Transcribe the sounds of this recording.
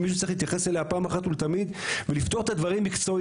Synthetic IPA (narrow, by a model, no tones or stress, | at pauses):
miʃ̬utt͡seiχhit̪jaχeseleapaːmaχat̪ult̪amid̪velift̪o̞ʁet̪ad̪vaʁimːikt͡so̞